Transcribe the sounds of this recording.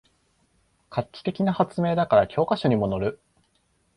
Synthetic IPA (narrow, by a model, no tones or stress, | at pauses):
kʰakʲːi̥t̪e̞kʲinahat͡sɨme̞ːd̪akaɾakʲʰo̞ːkaɕo̞ɲ̟imo̞no̞ɾɯ̟